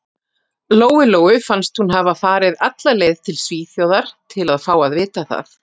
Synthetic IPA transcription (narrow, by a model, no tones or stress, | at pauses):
loːwɪloːwʏfanst̪hunɦavafaːɾɪðat̪laleːjðt̪ʰɪlsviːθjowðaɾ̥t̪ʰɪlaðfaːwaðvɪːt̪aθa̰θ